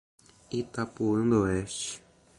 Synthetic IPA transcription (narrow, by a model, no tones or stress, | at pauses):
it̪apuɨnd̪oeʃ